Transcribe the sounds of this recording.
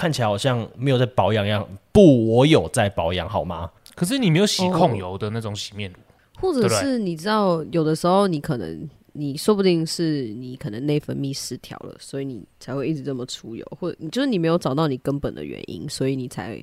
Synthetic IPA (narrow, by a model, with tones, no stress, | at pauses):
kʰa˥˩nt͡ɕʰi˨a˨˦xɕjɑ˥˩ŋme˧˥jt͡sa˥˩ɪpɑ˧˥ʊjɑ˨˥ŋ˦jɑ˥˨˩ŋpu˥˩wɔ˧˦jo˨˩ʊt͡sa˥˩ɪpɑ˧˥ʊjɑ˧˥ŋɦɑ˨˩ʊma˦ | kʰə˨˩ʂ̬ɻ̩˥˩ni˨˩me˧˥ɪjo˨˩ʊɕi˨˧kʰɔ˥˨ŋjo˧˦ʊd̪ə˨na˥˩ʈ͡ʂʊ˨˦ŋɕi˨˩mjɛ˥˨nu˨ | xwɔ˥˩ʈ͡ʂə˨˩ʂɻ̩˥˩ni˨˩ʈ͡ʂɻ̩˥t̪ɑ˥˩ʊjo˨˩d̪ə˦ʂɻ̩˧˥xo˥˧˩ʊni˧˦kʰɤ˨˩nə̰˧˦ŋ | ni˨˩swɔ˥pu˥˧t̪i˥˧ŋʂɻ̩˥˩ni˨˥kʰɤ˨˩nə˧˦ŋne˥˩ɪfə˧˥nmi˥˩ʂɹ̩˦˥t̪ʰjɑ̰˧˥ʊlə̰˨swɔ˧˥i˧˦nḭ˨˩t͡sʰa˧˥ɪxwe˥˧ɪi˥˩ʈ͡ʂ̩ɻ̩˧˦nə˥˩mə˩ʈ͡ʂʰu˥jo̰˧˦ʊxwt͡ɕjo˥˧ʊʂɻ̩˥˩ni˨˩me˧˥ɪjo˧ʊɑ˨˩ʊt̪ɑ˥˩ʊni˨˩kə˦npə˨˩nd̪ə̰˨ɥɛ̰˧˦nʔḭ˦˥nswɔ˧˥i˨ni˨˩t͡sʰa̰˧˥ɪ